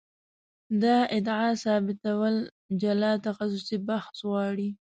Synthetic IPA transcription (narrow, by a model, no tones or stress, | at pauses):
d̪ɑʔɪd̪ʕɑsɑbɪt̪awəl | d͡ʒalɑt̪axas̬ʊsibaxswɑɽi